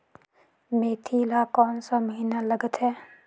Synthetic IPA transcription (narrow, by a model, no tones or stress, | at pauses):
meːt̪ʰilakɔːnsaməɦinalɐɡət̪ɦɛː